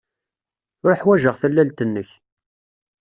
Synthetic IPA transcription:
ʊɾħwæʒəʁθəlːælt̪ənːəç

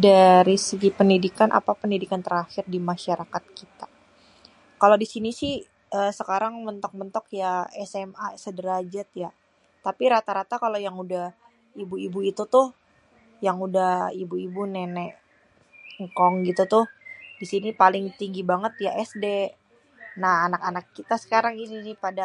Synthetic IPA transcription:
daɾisəɡipəndidikanʔa̰papəndidikant̪əɾaxɪrdimaʃaɾakat̪̚kit̪a | kaladisinisɪh | əːsəkaɾaŋmənt̪ɔk̚mənt̪ɔkjaɛsɛmasədəɾad͡ʒat̪̚ja | t̪apiɾat̪aɾat̪akalojaŋudah | ibuibuit̪ut̪ʊh | jaŋudahibuibunɛnɛ | ŋkɔŋɡit̪ut̪ʊhdisinipalɪŋt̪iŋɡibaŋət̪jaʔɛsde | nahanakanakːit̪asə̥kaɾaŋisiinɪhpada

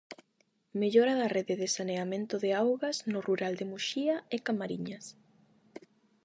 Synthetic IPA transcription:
meʎɔɾaðareðɪðesaneamẽnt̪ʊðeawɣaznʊruɾald̪emuʃiaekamaɾiɲas

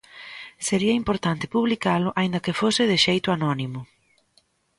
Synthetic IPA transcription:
seɾiɐimpoɾt̪ant̪ɪ̥puβlikalʊʔaind̪ɐkɪfosɪðɪʃejt̪ʊanɔnimʊ

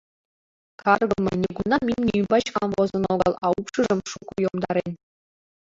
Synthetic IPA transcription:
kɑrɡɤ̆mʲɘ̰̆nʲeɡunɑmʲimʲnʲiybɑt͡ɕkɑnʋozɤ̆noɡɑlˠɑupʂɯʐɤ̆mʂukujomd̪ɑɾʲenʲ

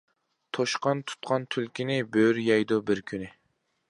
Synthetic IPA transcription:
t̪ʰoʃqɑnt̪ʰu̥t̪̚qʰɑnt̪ʰylkʲinɪbøɾjɑjd̪obɪɾkʲʰynɪ

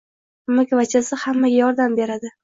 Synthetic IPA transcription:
mɪkʲvat͡ʃʰasɪhamːaɡʲajɒɾd̪ambe̞ɾad̪ɪ

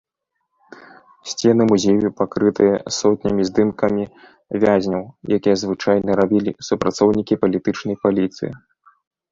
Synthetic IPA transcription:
sʲt͡sʲɛnɨmuzʲejupakɾɨt̪ɨjɐsɔt̪ʲnʲɐmʲizd̪ɨmkɐmʲi | vʲazʲnʲɐwjakʲijɐzvɨt͡ʂajnɐɾabʲilʲisupɾʔat̪sɔwnʲikʲipɐlʲit̪ɨt͡ʂnɐjpalʲit̪sɨ̰jḭ

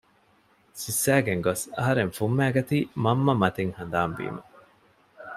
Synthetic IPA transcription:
sisːæːɡeŋɡosɐ̰ɦɐɾeŋfumːæːɡɐt̪iːmɐmːɐmɐt̪eŋhɐnd̪aːmbḭːmɐ̰

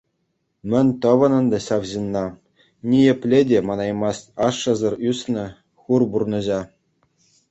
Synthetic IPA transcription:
mʲɘ̆nʲt̪ɤ̆ʋɤ̆nɤ̆nd̪ɤ̆ɕɑʋʑinːɑ | nʲijɘ̆pʲlʲedʲemɑnɑjmɑsɑʂːɤ̆zɤ̆rysnɤ̆ | xurburnɤ̆ʑɑ

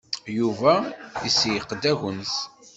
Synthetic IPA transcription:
juvæisjəqːd̪æʝəns

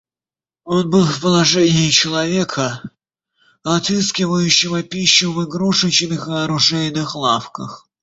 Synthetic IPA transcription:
o̞nbɨlˠfpəlˠɐʐɛnʲɪɪt͡ɕɪlˠɐvʲe̞kʰə | ɐt̪ɨskʲɪvəjʉɕːɪvəpʲiɕːʊvɨɡɾuʂɨt͡ɕnɨxɨɐɾʊʐɛɪnɨxlˠafkəx

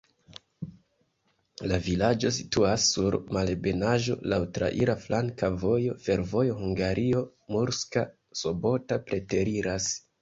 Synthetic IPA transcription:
lavilad͡ʒo̞si̥tuasːuɾmalbe̞naʒo̞̰lawtɾa̰ʔiɾaflaŋkavo̞jo̞fe̞ɾvo̞jo̞huŋɡaɾʔio̞ | muɾska | so̞bo̞tapɾe̞te̞ɾiɾas

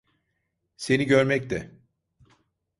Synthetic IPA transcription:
se̞niɟø̞ɾmɛc̚t̪ɛ

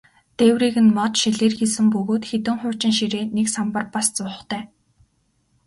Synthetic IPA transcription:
t̪ewriːɣɘ̆nmɔt̪ʃiɮeːrxisɘ̆mpɵɣoːt̪xet̪ɘ̆ŋχʊːt͡ɕɪ̆ŋʃiɾeːneksampə̆rpast͡sʊːə̆χt̪ʰæː

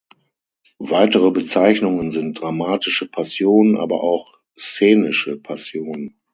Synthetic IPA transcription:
vaɪtəʁəbət͡saɪçnʊŋənzɪnt̚d̥ʁamaːtɪʃəpʰasjoːnənʔa̰ːbɐ̰ʔaʊx | st͡seːnɪʃəpʰasjoːnən

